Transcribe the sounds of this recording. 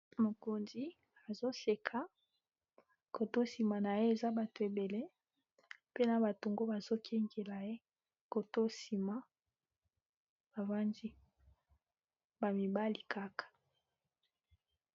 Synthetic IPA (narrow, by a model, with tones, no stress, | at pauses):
mo˨ko˨nzi˦ | a˨zo˦se˨kʰa˨ | ko˨to˦si˨ma˨na˨je˦e˨za˦ba˨to˨e˨be˨le˦ | pe˦na˨ba˨to˨ŋɡo˦ba˨z̥o˦kʰe˦ŋɡe˨la˨je˦ | ko˨to˦si˨ma˨ | ba˨va˦ndi˦ | ba˨mi˨ba˦li˨kʰa˦kḁ˨